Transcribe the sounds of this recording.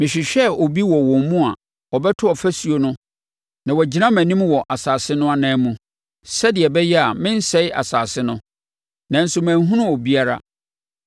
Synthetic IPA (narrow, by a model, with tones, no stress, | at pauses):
mɪ̃˨ɕᶣɪ˨ɕᶣɛ˦ɔ˨bi˦wɔ˨wɔ̃˨mmũ˦a˨ | ɔ˨bɛ˦tʰʊ˦ɔ˨fæ˦si˨o˨nʊ̃˦ | nã˨wɔ˨d͡ʑi˨nã˦mæ̃˨nĩ˦mwɔ˨ʔa˨saː˨sɪ˦nʊ̃˦a˦nɛ̃ː˨˦mũ˨ | sɛ˦dɪ˨ɛ˨bɛ˦jɛ˦a˨mɪ̃˦n̩˦sɛ˦ɪ˦ʔa̰˨saː˨sɪ˦nʊ̃˦ | nã˨n̩˦sʊ˦mæ̃ː˨nɦũ˦nʊ̃˦ɔ˨bi˦a˦ɾa̰˨